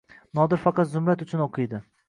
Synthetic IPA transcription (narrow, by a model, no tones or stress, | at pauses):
nɒd̪ɪɾfɑqʰɑt̪zʊmɾat̪ʊt͡ʃʰʊnoqʰɨjd̪ɪ